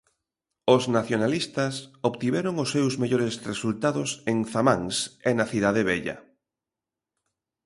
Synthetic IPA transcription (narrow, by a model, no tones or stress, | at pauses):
ʊznaθjonalist̪ɐsoβt̪iβɛɾoŋʊsːewzmeʎoɾesresult̪aðoseŋθamaŋsenaθiðaðeβ̞ɛʎɐ̰